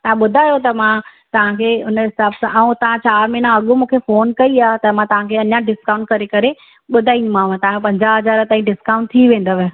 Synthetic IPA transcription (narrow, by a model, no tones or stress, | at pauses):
t̪ɐɦãɓʊd̪ʱaːjot̪ɐmã | t̪ɐʋ̤ãkʰeːʊnɦɪsaːbsãʔaũt̪ɐʋ̤ãt͡ɕaːɾmɪnãɐɠomũːkʰefoːnkɐiaːɦt̪ɐmãt̪ɐʋ̤ãkʰeɐɲãɖɪskaːʊ̃ɳʈ̚kɐɾekɐɾe | ɓʊd̪ʱaːĩumãːʋãt̪ɐʋ̤ãpɐ̃ɲd͡ʑaɦɐzaːɾət̪aːĩɖɪskaʊ̃ɳʈ̚t̪ʰiʋẽːn̆d̪əʋɪ